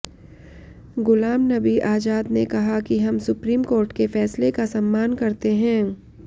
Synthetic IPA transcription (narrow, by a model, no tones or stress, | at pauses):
ɡʊlaːmnɐbiʔaːd͡ʒaːd̪nekɐɦakiɦɐmsʊpɾiːmkoːɾʈkefɛːslekasɐ̃mːaːnkɐɾt̪eɦɛ̃ː